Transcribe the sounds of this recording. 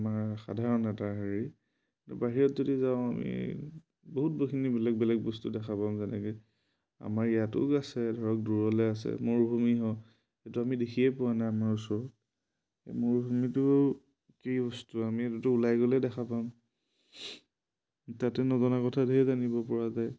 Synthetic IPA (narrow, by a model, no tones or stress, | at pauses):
maɹxa̰dʱaɹɔnɛtaɦaɹi | tṵbaɦiɹɔtzodizaʊ̃amḭ | boɦut̚bokʰinibɛlɛk̚bɛlɛk̚bɔstudɛxʰapamzɛnɛ̰kɛ | a̰maɹijatʊ̰kasɛdʱɔɹɔk̚duɹɔlɛasɛ̰moɹbʱumiɦɔ | etuamidexʰiɛpʊanajamaɹusɔɹɔt̚ | moɹbʱumitʊ | kejbɔstuamietutʊːlajɡolɛdɛxʰapam | tatɛnɔzɔnakɔtʰadezanibɔpɔɹazaj